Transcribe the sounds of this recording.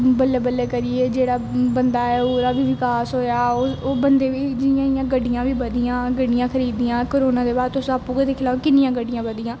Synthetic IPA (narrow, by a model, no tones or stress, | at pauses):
bəlːeːbəlːeːkəɾɪeːd͡ʒeːɽaːbənd̪aːɛːoːɾaːbiːʋɪkaːsɦoːjaːooːbənd̪eːʋiːd͡ʒɪɪjãːɪjãːɡəɖijãːʋiːbəd̪ijãːɡəɖɪjãːkʰəɾiːd̪iːãːkoɾoːnãːd̪eːbaːɾt̪ʊsaːpũːked̪eːkʰɪlaːfkɪnɪjãːɡəɖɪjãːbəd̪ijãː